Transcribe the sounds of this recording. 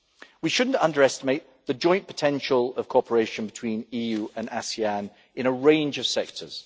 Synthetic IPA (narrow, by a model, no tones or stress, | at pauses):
wiʃʊdⁿn̩tʌ̃ndəɹɛstɪmeɪʔ | ðəd͡ʒɔ̃ɪ̃npʰə̥tʰɛ̃nʃəlˠəv̥kʰɔˑpʰəɹeɪʃə̃nbɪtʰw̥ĩːniːjʉːʔə̃nasiæ̃n | ɪ̃ñəɹẽɪ̃nd͡ʒəv̥sɛk̚tʰə̰z̥